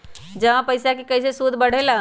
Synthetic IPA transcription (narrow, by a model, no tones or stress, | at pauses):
d͡ʒəʋãpəɪsakekəɪsesud̪ʱbəɽ̤ela